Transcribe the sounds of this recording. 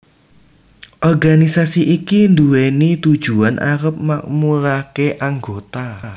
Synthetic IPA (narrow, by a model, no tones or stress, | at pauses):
ʔɔrɡanisasiʔikind̪uwenit̪ud̥ʒ̥ṳanʔa̰ɾəp̚mak̚muɾakeʔaŋɡot̪a